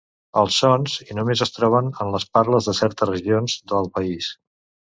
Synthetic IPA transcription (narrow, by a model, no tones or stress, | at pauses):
əlˠsːɔnzinumezəst̪ɾɔβ̞ənənləspaɾləzðəsɛɾt̪ərəʒionzd̪əlˠpəis